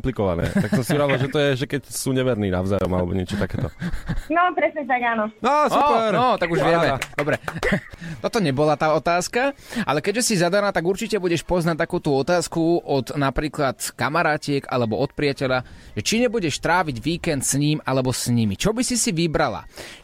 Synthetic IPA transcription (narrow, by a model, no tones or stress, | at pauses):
mplikɔʋa̰nɛ̰ːt̪aksɔmsiuɾaʋilaʒɛt̪ɔjɛʒɛkɛcsuːɲɛʋɛɾniːna̰ʊzajɔ̰malɛbɔ̰ɲɪɛt͡ʃɔt̪akɛːt̪ɔ̰nɔpɾɛsɲɛt̪aɡaːnɔɔsɔppɛɾɔt̪aɡuʒʋɪɛmɛd̪̥ɔbɾɛ | t̪ɔt̪ɔɲɛbɔlat̪aːɔt̪aːskaa̰lɛkɛɟʒɛsizad̪anaːt̪aɡuɾt͡ʃicɛbuɟɛʃpɔznac̚t̪akuːt̪uːɔt̪aːskuɔd̪napɾiːklat̪kamaɾaːcɪɛka̰lɛbɔɔt̪̚pɾɪacɛʎaʒ̥ɛt͡ʃiɲɛbuɟɛʃt̪ɾaːʋiɟʋiːkɛnt̪sɲiːmalɛbɔsɲimit͡ʃɔbisisiʋibɾala̰